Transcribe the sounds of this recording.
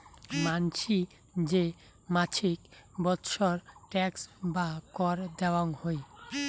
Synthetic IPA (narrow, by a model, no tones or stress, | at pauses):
mant͡ɕʰi | d͡ʑe | mat͡ɕʰikbɔt̪ʃʰoɾʈɛksbakɔɾd̪ɛwaŋhoj